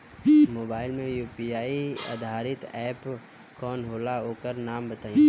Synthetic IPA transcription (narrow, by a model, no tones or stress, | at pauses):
moːbaːɪlmẽjuːpiaːia̰d̪ʱaːɾɪt̪ɛːp | kɔːnɦoːlaɦoːkəɾnaːmbət̪aːĩ